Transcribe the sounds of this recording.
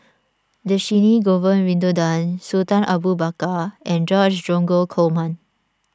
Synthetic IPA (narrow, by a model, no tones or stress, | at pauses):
d̪əʃiniɡɔvənwĩnd̪odãnsut̪ãnʔabubakaɛ̃nd͡ʒɔd͡ʒdɔ̃ŋɡokʰomãn